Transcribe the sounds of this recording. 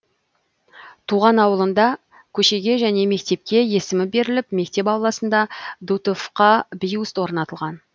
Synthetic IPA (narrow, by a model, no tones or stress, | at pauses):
t̪ʰuʁɑnɑwəlˠənd̪ɑ | kʲʰɵʃe̞ɡʲe̞ʒæne̞me̞kt̪e̞p̚kʲe̞je̞sɪmɪbe̞ɾɪlɪpme̞k̚t̪e̞pɑwlˠɑsənd̪ɑd̪ut̪ofqɑbijuɪst̪wo̞ɾənɑt̪əlˠʁɑn